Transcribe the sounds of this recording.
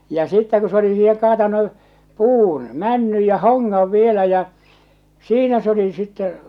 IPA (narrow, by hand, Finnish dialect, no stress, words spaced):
jɑ sitːæ ku se oli siːhe kɑːtɑnu puːn mænːyj jɑ hoŋːɑʋ ʋielæ jɑ siːnæ s oli sitːɛ